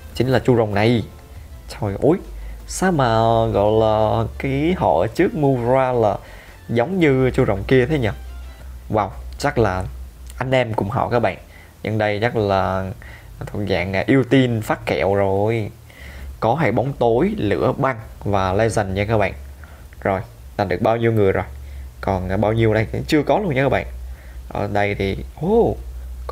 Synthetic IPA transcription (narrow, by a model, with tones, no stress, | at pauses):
t͡ɕï˨˦ŋ̟laː˨˩t͡ɕu˧zə̰˧˨wŋ͡mna˨˩j | t̪ʰɔ˧˩jʔu˨˦jsaː˨˦maː˨˩ɣɔ̰˧˨jlaː˨˩kaː˨˦jhɔ̰˧˩˨t͡ɕɨ˦˥ək̚mu˧zwaː˧laː˨˩ | zə˨˦wŋ͡mɲɨ˧t͡ɕu˧zə̰˧˨wŋ͡mki˧ət̪ʰe˨˦ɲə˧˩ | waː˨˩wt͡ɕa˦˥k̚laː˨˩ʔa˧jŋ̟ʔɛ˧mkʊ̰˧˩ŋ͡mɦɔ̰˧˨kaː˦˥k̚ɓa̰ː˧˨n | ɲə̰˧ŋɗə˧jɲa˦˥k̚laː˨˩ | t̪ʰu˨˩k̚za̰ː˧˨ŋa˨˩ʔi˧əwt̪i˧nfaː˦˥t̚kɛ̰˧˨əwzo˨˩j | kɔ˨˦ɦa̰ː˧˩jɓɔ˨˦wŋ͡mt̪o˨˦jlɨ̰˧˥əɓa˧ŋvaː˨˩la˧za˨˩ŋt͡ɕə˧kaː˦˧˥k̚ɓa̰ː˧˨n | zo˨˩j | laː˨˩ɗɨ˨˩ək̚ɓaː˧wɲi˧wŋɨ˨˩əjzo˨˩jkɔ˨˩n˩ɓaː˧wɲi˧əwɗə˧jt͡ɕɨ˧əkɔ˨˦lu˧ənɲəː˧˦˧ɓa̰ː˧˨n | ʔə̰ː˧˩ɗə˧jt̪ʰi˨˩ʔo˧˩k